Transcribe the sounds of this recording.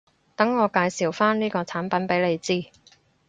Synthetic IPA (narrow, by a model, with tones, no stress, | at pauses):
t̪ɐ˨˥ŋːɔː˨˧kaː˧jsiː˨˩wfaː˥nniː˥kɔː˧t͡sʰaː˨˥npɐ˨˥npe˨˥jle˨˧jt͡siː˥˩